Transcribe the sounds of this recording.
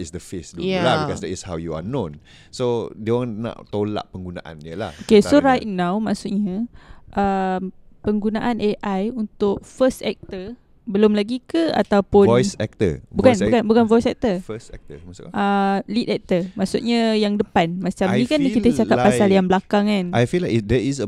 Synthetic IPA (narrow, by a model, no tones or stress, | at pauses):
isdəfesdulabikɔsdɛishawjua̰nõn | sodiəwanã̰ʔt̪ola̰ʔpəŋɡunaʔa̰nɲəla̰hokessoɾajt̪̚nãwma̰ʔsuʔɲaʔəmpəŋɡunaʔanʔeʔajunt̪ʊʔ̚fəsɛk̚t̪ə | bəlʊmlaɡikəa̰t̪awpʊvɔjsɛk̚t̪ə̰bukanbukanbukanvɔjsɛk̚t̪əfəsɛ̰k̚t̪əmasʔəlit̪ɛk̚t̪əmaʔsṵʔ̚ɲajaŋdəpanmat͡ʃamnĩkannkit̪ət͡ʃakaʔ̚pasaljaŋbəlakaŋanajfilajdɛisə